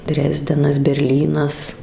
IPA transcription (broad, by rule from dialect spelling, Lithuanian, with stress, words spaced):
ˈdʲrʲæːzʲdʲɛnɐs bʲɛrʲˈlʲiːnɐs